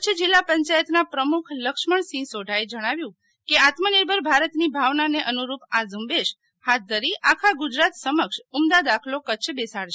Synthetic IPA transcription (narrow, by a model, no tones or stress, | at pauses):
kət͡ʃʰd͡ʒilːapəɲt͡ʃajət̪napɾəmukʰləkʃməɳsĩsoɖʱaed͡ʒəɽ̃aʋjũ | keat̪məniɾbʱəɾbʱaɾət̪nibʱaʋnaneʔənuɾupazumbeʃ | hat̪̚ʰd̪ʱəɾiʔakʰaɡud͡ʒɾat̪səməkʃumd̪ad̪akʰlokət͡ʃʰbesaɽʃe